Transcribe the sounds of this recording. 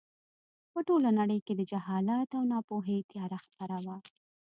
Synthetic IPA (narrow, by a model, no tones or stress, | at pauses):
pəʈolanaɽəjked̪əd͡ʒaɦɑlat̪awnɑpoɦet̪jɑɾaxpaɾawa